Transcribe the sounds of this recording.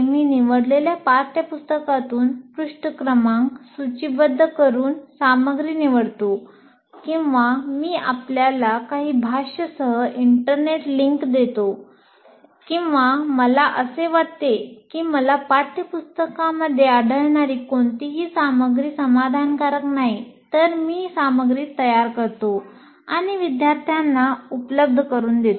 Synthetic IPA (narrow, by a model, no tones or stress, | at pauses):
eminiʋəɽleljapaɾt̪ʰjəpust̪əkat̪uːnpɾuʂʈəkɾəmãŋksut͡ɕibəd̪ʱːəkəɾuːnsaməɡɾiːniʋəɽt̪o | kĩw̃ʋamiːa̰pljalakaɦiːbʱaɕəsəɦəʔiɳʈəɾneʈliŋkd̪et̪o | kĩw̃ʋaməlaʔəseʋaɽt̪ekiːməlapaɾt̪ʰjəpust̪əkaməd̪ʱːjeaɽʱəɭɳaɾiːkoɳt̪iɦiːsaməɡɾiːsəmad̪ʱankaɾəknaɦit̪əɾmiːsaməɡɾiːt̪ːəjaɾkəɾt̪o | aɽ̃iʋid̪jaɾt̪ʰjanːaupləb̚d̪ʱəkəɾuːnd̪et̪o